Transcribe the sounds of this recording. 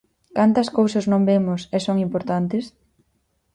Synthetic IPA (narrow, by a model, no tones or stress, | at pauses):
kant̪ɐskowsɐznõmbemʊsesoŋimpoɾt̪ant̪ɪs